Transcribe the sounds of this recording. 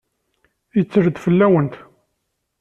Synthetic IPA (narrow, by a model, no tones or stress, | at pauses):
jət͡sːəɾd̪fəlːæwənt̪